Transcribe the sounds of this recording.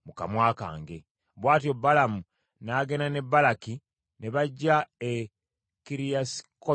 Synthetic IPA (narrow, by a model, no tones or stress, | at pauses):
muka̰mwaːka̰ːŋɡe̞ | βwaːtiobːalamu | naɡe̞nane̞bːalaki | neβaɟːae | kiɾiasi̥ko